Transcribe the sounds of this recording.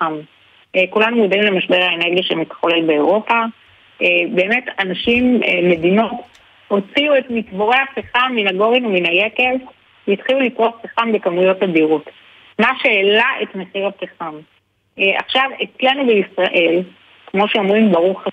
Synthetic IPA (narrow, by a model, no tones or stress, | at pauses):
am | kulanujodimlemaʃbe̞ʁhaeneʁɡijaʃemitχolelbeoʁo̞pa | ebe̞ːme̞tanaʃimːe̞dino̞t | ho̞t͡siue̞tmikbo̞ʁe̞haχiχamːinaɡo̞ʁinuminajeke̞v | veitχiulikʁotpiχambekamujo̞tadiʁo̞t | maʃeːlaʔetmeχiʁhapiχam | ʔa̰χʃavet͡slenubeisʁaʔe̞l | kmo̞ʃeomʁimbaʁuχ